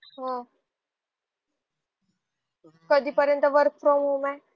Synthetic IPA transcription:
ɦə̃ | kəd̪ʱiːpəɾjənt̪əʋəɾkfɾɔmɦuma

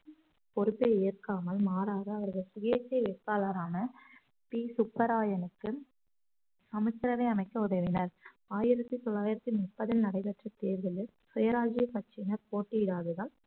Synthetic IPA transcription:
pɔɾɯpːeeːrkaːmɐlmaːɾaːɣɐɐʋɐɾɣɐɭsʊɣeːsɐɪʋekːaːlɐɾaːnɐ | piːsʊpːɐɾaːjɐnɯkːɯ | sɐmɐkːɪɾɐʋɐɪɐmɐɪkːɐʊðɐʋɪnɐɾ | aːjɪɾɐt̪ːɯt̪ɔɭːaːjɪɾɐt̪ːimʊpːɐðɪlnɐɽɐɪpɐʈrɐt̪eːɾɣɐlɪɾ | sʊjɐɾaːd͡ʒikɐt͡ʃːɪnɐɾpoːʈːɪɪɽaːðɯɣɐɭ

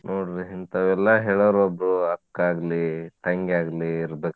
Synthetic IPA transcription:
nʔoːɽɾiɦint̪ɐʋɛlːɐɦeːɭɐɾɔbɾuɐkːaːɡlit̪ɐŋɡeaːɡliːɾbek

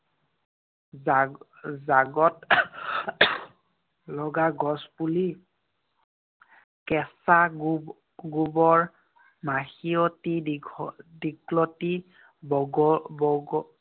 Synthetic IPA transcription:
zaɡɔt | lɔɡaɡɔspuli | kɛsaɡ | ɡubɔɹ | maxiɔti | diklɔti | bɔɡ

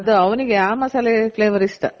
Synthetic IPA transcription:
ɐd̪ɐɐʋɐniɡeaːmɐsaːlepleːʋɐɾisʈ̪ɐ

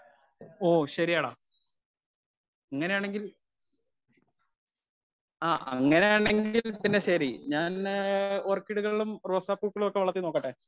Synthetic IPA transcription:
oːɕɐɾijaːɽa | ɐŋːɐneaːɳe̞ŋɡil | aːʔɐ̰ŋːɐne̞jaːɳe̞ŋɡilpinːe̞ɕɐɾiɲaːnorkːiɽuɣɐɭiɭumroːsaːpːuːkːɐɭumokːe̞ʋɐɭɐt̪ːino̞ːkːɐʈːe

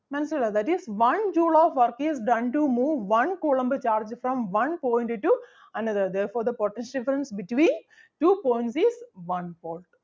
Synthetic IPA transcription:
mɛnselad̪æʈizʋɐ̃nd͡ʒuːlɔːʋʋɐɾkizɖɐ̃nʈumuːʋːɐ̃nkulɐ̃mbt͡ʃaːɾd͡ʒfɾɔ̃mʋɐ̃npɔ̃ɪ̃ɳʈʈu | ɐnɐd̪əɾd̪ɛːɾfoːɾd̪ɐpɔʈɛ̃nsɖɪfəɾə̃nsbɪʈʋĩːn | ʈuːpõj̃ɳʈsizʋɐ̃npoːlʈ

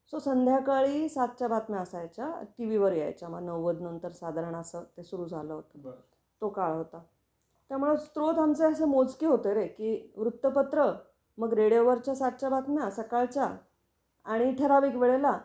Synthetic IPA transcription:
sosənd̪ʱjakaɭiːsat̪̚t͡ɕabʱat̪mjaəsajt͡ɕa̰ʈiʋiʋəɾja̰jt͡ɕaməɡnəʋːəd̪nənt̪əɾsad̪ʱaɾəɳ̃əsəːt̪esuɾuːd͡zʱaləɦot̪ə̥ | t̪okaɭɦot̪a | t̪jam̤uɭəst̪ɾot̪ɦamt͡səəsəːmod͡zkiɦot̪əɾekiːʋɾut̪ːəpət̪ɾə | məɡɾeɽijoʋəɾt͡ɕjasat̪̚t͡ɕabat̪mjasəkaɭt͡ɕja | aɽ̃iʈ̪ʰəɾaʋiːkʋeɭela

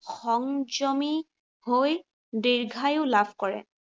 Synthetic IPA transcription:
xɔŋd͡ʒɔmi | hoj | diɹɡʱajʊlabʰʱkɔɹɛ̰

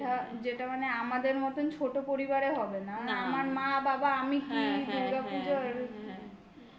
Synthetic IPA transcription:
ʈa | d͡ʑeʈamaneamad̪eɾmɔt̪ont͡ɕʰoʈopoɾibaɾeɦɔbenamaneamaɾmababaamikid̪ʱuɾɡapud͡ʑoɾ

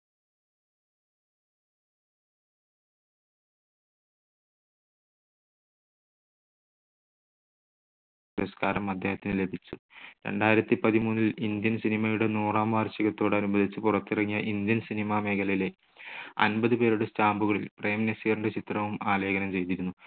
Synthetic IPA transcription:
puɾɐskaːɾɐmɐd̪ʱjeːhɐt̪ːinɨle̞bʱit͡ɕːuɾe̞̰ɳɖaːjiɾɐt̪ːipɐðimuːnːilind̪jɐnsinimɐjuɽenuːraːmaːrɕiɣɐt̪ːo̞ːɽɐnubɐd̪ʱit͡ɕːɨpurɐt̪ːirɐŋːijɐʔind̪jɐnsinimɐme̞ːkʰɐlɐjle̞ | ɐ̰nbɐðɨpe̞ːɾuɽestaːmbuɣɐɭilprejɐminesiɐɾuɳɖet͡ɕit̪rɐʋumaːleːɡɐnɐmt͡ɕe̞jt̪iɾunːu

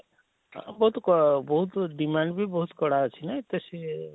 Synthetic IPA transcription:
bɔɦut̪kɔbɔɦut̪ɖimaɳɖbʱibɔɦut̪kɔɽat͡ʃʰinat̪esi

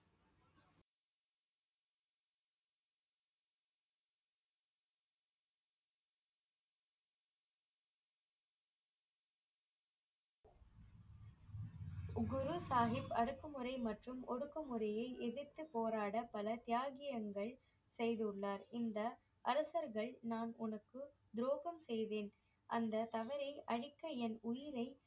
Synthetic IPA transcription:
ɡʊɾusaːɦɪpːɐɽɯkːɐmɯɾɐɪmɐʈrɯmɔɽɯkːɐmɯɾɐjɐɪʔɛðɪɾt̪ːɯpoːɾaːɽɐpɐlɐt̪ɪjaːɣɪjɐŋɡɐɭ | sɛjðɯʊɭːaːɾɪnd̪ɐ | ʔɐɾɐsɐɾɣɐɭnaːnʊnɐkːɯ | d̪ɾoːɣɐmsɛjðeːn | ʔɐnd̪ɐt̪ɐʋɐɾɐɪʔɐɻɪkːɐɛnʊjɪɾɐɪ

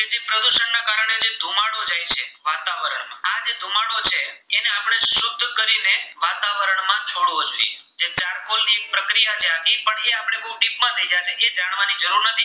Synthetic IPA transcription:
ked͡ʒepɾəd̪uʃənːakaɾəɳ̃ed͡ʒed̪ʱumaɽod͡ʒajt͡ʃʰeʋat̪aʋəɾəɳmãad͡ʒed̪ʱumaɽot͡ʃʰeːneapɳ̃eʃʊb̚d̪ʱkəɾineʋat̪aʋəɾəɳmãt͡ʃʰoɽʋod͡ʒoḭe | d͡ʒet͡ʃaɾkolnipɾəkɾijat͡ʃʰeakipəɳeapəɽ̃ebəuʈip̚mãd̪ʱəid͡ʒat͡ʃʰeʔed͡ʒaɽ̃ʋanid͡ʒəɾuɾnət̪ʰi

